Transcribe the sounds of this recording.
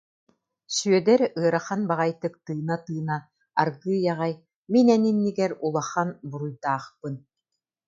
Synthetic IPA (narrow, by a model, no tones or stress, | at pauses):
syœd̪ɛɾɯɐɾaχanbaʁajt̪ɯk̚t̪ɯːnat̪ɯːna | a̰ɾɡɯːjaʁaj | minɛninːiɡɛɾulˠaχanbuɾujt̪aːχpɯn